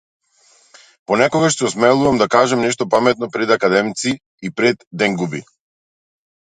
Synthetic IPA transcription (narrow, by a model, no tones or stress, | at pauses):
pɔnɛkɔɡaʃt̪ɛɔsmɛlˠuvamd̪akaʒɛmnɛʃ̬t̪ɔpamɛt̪̚nɔpɾɛd̪akad̪ɛmt̪si | ipɾɛd̪ːɛŋɡubi